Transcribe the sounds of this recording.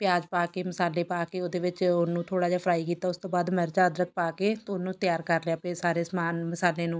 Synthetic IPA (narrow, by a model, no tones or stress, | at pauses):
pɪjaːd͡ʒpaːkeːməsaːleːpaːkeːoːd̪eːʋɪt͡ʃʊnũːt̪ʰoːɽaːd͡ʒaːpʰɾaːiːkiːt̪aːʊst̪õːbaːd̪mɛɾd͡ʒaːəd̪ɾək̪̚paːkeːt̪ːʊnũːt̪ɪjaːɾkəɾlejaːpesaːɾeːsmaːnməsaːleːnũː